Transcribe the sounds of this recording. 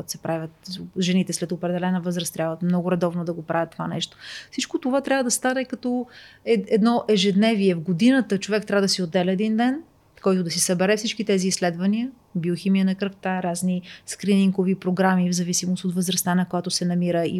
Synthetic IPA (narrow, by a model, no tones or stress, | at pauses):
t̪sɛpɾavʲət̪ʒɛnit̪ɛslɛt̪opɾɛd̪ɛlɛnəvɤzɾəst̪ːɾʲabvəmnɔɡʊɾɛd̪ɔvnod̪ɐɡopɾavət̪ːovanɛ̰ʃt̪o̥fsit͡ʃkot̪ovat̪ɾʲabvəd̪ɐst̪anɛkɐt̪ɔɛɛd̪nɔʔɛʒɛd̪nɛviɛvɡod̪inət̪ət͡ʃovɛkt̪ɾʲabvəd̪ɐsiod̪ːɛlɛːd̪ind̪ɛn | kɔjt̪ʊd̪ɐsisɐbɛɾɛfsit͡ʃkit̪ɛziːsːlɛd̪vɐniə | bioximijənɐkɾəkt̪aɾazniskɾiniŋɡovipɾoɡɾamivzɐvisimost̪ot̪vəzɾɐst̪anɐkojat̪ʊsɛnɐmiɾəi